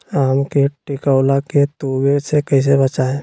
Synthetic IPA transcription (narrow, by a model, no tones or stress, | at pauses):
aːmkeʈɪkəwlaket̪uːɡesekɐis̬ebɐt͡ʃaeː